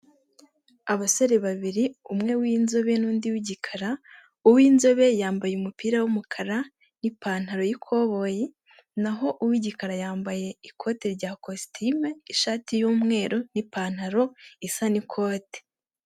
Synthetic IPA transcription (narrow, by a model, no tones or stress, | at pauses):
aβaso̞ɾe̞βaβiɾiumŋe̞wiːnzo̞βe̞nuːndiwiɟikʰaɾa | uwiːnzo̞βe̞jaːmbajeumupiːɾawumukʰaɾa | nipaːn̥haɾo̞jikʰo̞βo̞je | naɦo̞ʔuwiɟikaɾajaːmbaje̞ikʰo̞teɾɟaːkostʰimeiʃaːtijuːmŋe̞ːɾo̞nipaːn̥haɾo̞isanikʰoːte̥